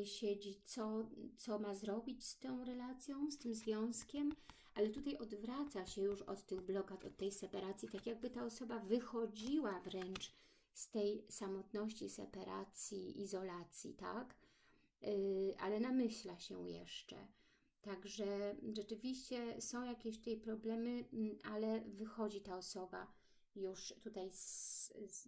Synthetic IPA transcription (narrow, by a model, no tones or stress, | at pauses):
ɕed͡ʑit̪sɔt̪sɔmazɾɔbʲit͡ɕst̪ɔ̃w̃ɾɛlat̪sʲjɔ̃w̃st̪ɘmzvʲjɔ̃w̃skʲɛm | ʔalɛt̪ut̪ajɔd̪vɾat̪saɕɛjuʂɔ̰t̪ːɘɣblɔɡat̪ɔt̪ːɛjsɛpaɾat̪sʲjit̪akʲjaɡ̚bɘt̪aɔsɔbavɘxɔd͡ʑiwavɾɛnt͡ʂ | st̪ɛjsamɔt̪nɔɕt͡ɕisɛ̰paɾa̰t̪sʲjiizɔlat̪sʲjḭt̪a̰k | ʔa̰lɛnamɘɕlaɕɛ̰jɛ̰ʂt͡ʂɛ̰ | t̪aɡʐɛʐɛt͡ʂɘvʲiɕt͡ɕɛsɔ̃w̃jakʲeɕt̪ut̪ajpɾɔblɛmɘalɛvɘxɔd͡ʑit̪aɔsɔba̰ | juʂt̪ut̪ajs